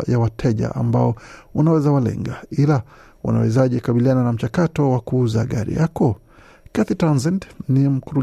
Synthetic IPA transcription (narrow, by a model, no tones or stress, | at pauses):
jawatʰɛʄa̰ʔa̰mbaɔwunawɛzawalɛ̰ŋɡaila | wa̰na̰wɛ̰zaʄɛkaɓiliananam̩t͡ʃakatɔwakuuzaɠaɾḭjakɔ | kaθitanzɛndnim̩kuɾu